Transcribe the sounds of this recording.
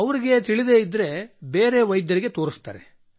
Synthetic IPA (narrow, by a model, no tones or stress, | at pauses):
ɐʋɐɾiɡe̞t̪iɭid̪e̞id̪ːɾe̞beːɾe̞ʋɐjd̪jɐɾiɡet̪o̞ːɾist̪a̰ːɾḛ